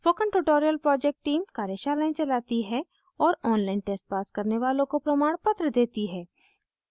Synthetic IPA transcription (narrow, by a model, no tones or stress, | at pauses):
foːkə̃nʈuʈoːɾijəlpɾɔːd͡ʒɛk̚ʈːiːmkaːɾjeʃaːlaɪ̃t͡ʃɐlaːt̪iɦɛ | ɔːɾɔːnlaːɪnʈeːsʈ̚paːskɐɾneʋaːlõkopɾɐmaːɽ̃pɐt̪ɾəd̪eːt̪iɦɛː